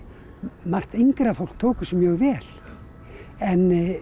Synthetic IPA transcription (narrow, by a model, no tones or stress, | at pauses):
mar̥t̪iŋkɾafowl̥k̚t̪ʰoːkʏsɛmjœːɣvɛːl̥ | ɛnː